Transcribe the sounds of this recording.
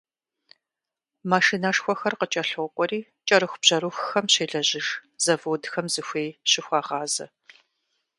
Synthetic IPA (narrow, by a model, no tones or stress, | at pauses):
maːʃinaʂxʷɔxɐrqət͡ʃʼɐɬoqʷʼɔɾiː | t͡ʃʼɐɾɨxʷb̥ʑ̥ɐɾuxxɐmɕeːɮɐʑɪʒz̥ɐvoːdxɐmzɨxʷeːjɕɪxʷɑːʁɑːzɐ